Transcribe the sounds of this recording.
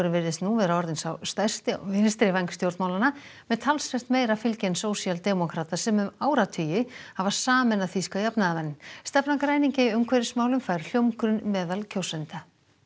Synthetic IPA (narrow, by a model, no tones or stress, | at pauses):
ɾʏmvɪɾðɪst̪nuvɛːðɾaɔɾðɪnsawst̪ar̥st̪ɪɔvɪnst̪ɾɪvajŋkst̪jowɾt̪mawlanamɛðt̪ʰalsvɛr̥t̪meːjɾafɪlcɛnsoːwsialt̪ɛmɔkʰɾaːt̪asɛmʏmaːwɾat̪ʰyːjɪhavḁsaːmɛnaθiskajapnaðamɛnːmst̪ɛpnakɾaːjniɲcɪiʏmkʰvɛɾɪsmaːwlʏmfaːjɾl̥jowmkɾʏnmɛːðalcʰowsɛnt̪a